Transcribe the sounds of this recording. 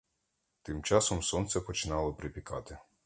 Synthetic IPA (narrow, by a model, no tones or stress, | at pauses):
t̪ɪmt͡ʃɑsɔmsɔnt̪sɛpɔt͡ʃɪnɑlˠɔpɾɪpʲikɑt̪ɪ